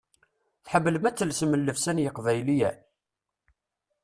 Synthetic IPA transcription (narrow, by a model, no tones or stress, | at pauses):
θħəbːələmæt͡sːəlsəməlːəfsænjəqvæjlijæ